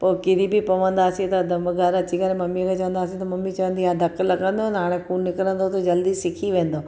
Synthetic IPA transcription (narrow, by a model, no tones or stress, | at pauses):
poːkɪɾibɪpɐʋə̃nd̪aːsĩt̪ɐd̪ɐmɡaɾɐt͡ɕikɐɾemɐmikʰat͡ɕɐʋə̃nd̪aːsĩt̪ɐmɐmːit͡ɕɐʋə̃nd̪iad̪ʱɐklɐɡə̃nd̪onɦaːɽ̃ẽkuːnːɪkəɾə̃nd̪ot̪od͡ʑɐld̪isɪkʰiʋẽːnd̪oː